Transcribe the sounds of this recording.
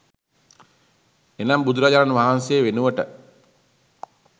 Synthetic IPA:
enambud̪uɾad͡ʒaɾanʋaɦansejːʋenuʋəʈə

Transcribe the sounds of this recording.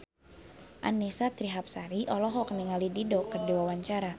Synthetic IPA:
ʔa̰nisat̪ɾiɦap̚saɾiʔɔlɔɦɔkniŋalididɔkərdiwawaɲt͡ʃaɾa

